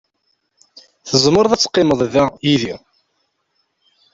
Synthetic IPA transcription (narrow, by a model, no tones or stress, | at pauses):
θəzˤməɾˤðˤæt͡sːqːɪməðˤðæjiði